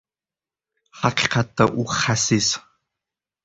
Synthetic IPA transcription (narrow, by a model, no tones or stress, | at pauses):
ħaqʲʰqʰatʰːaʔuχasis